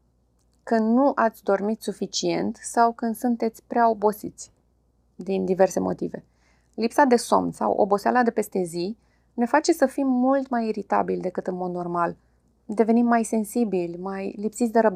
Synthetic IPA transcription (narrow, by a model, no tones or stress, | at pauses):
kɨnd̪nuʔat̪sʲd̪o̞rmit̪sufit͡ʃie̞nt̪sawkɨnd̪sunt̪e̞t̪sʲpɾeao̞bo̞sit̪sʲ | d̪ind̪ive̞rse̞mo̞̰t̪ive̞̰ | lipsad̪e̞so̞̰mnsa̰wʔo̰bo̞sea̰lad̪e̞pe̞st̪e̞zi | ne̞fat͡ʃe̞səfimːult̪majiɾit̪a̰bilʲd̪e̞kɨt̪ɨnmo̞d̪no̞rmal | d̪e̞ve̞nimːajse̞nsibilʲmajlipsit̪sʲd̪e̞ɾəb̪